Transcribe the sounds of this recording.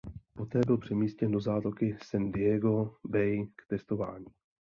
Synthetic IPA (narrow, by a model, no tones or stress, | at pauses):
po̞t̪ɛːbɪlpr̥ɛmiːscɛndo̞zaːt̪okɪsɛndɪɛɡo̞bɛjkt̪ɛst̪o̞va̰ːɲiː